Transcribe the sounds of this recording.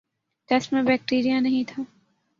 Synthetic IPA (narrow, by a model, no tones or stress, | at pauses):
ʈɛsʈmẽbɛːk̚ʈiːɾijãnɐɦĩt̪ʰaː